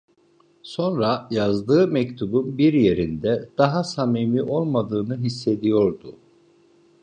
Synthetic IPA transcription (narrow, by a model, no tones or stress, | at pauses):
so̞nɾajazd̪ɯːmɛct̪ʰubunbiɾje̞ɾind̪ɛd̪̥aɦasamimiʔo̞lˠmad̪ɯːnɯɦisːe̞d̪ijo̞ɾd̪ʊ